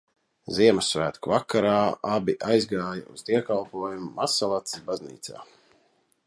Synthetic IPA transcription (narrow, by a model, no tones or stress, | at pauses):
ziɛmɨsːvæːt̪kuvakaɾaːʔabiʔajzɡaːja̰ṵz̥d̪iɛkalˠpuɔjumuːasalˠat̪sisbaznḭːt̪sa̰ː